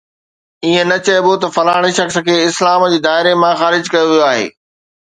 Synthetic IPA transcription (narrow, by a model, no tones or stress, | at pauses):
iːẽnɐt͡ɕɐbot̪ɐfɐlaːɪɽ̃iʃɐxsə̆kʰeːɪslaːmd͡ʑiːd̪aːɦɪɾemãxaːɾɪd͡ʑkɐjoʋijoaːɦḛː